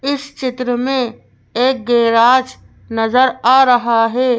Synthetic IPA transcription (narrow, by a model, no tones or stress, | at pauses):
ɪst͡ʃɪt̪ɾəmẽ | eːk̚ɡeːɾaːd͡ʒ | nəzəɾaːɾəɦaɦɛː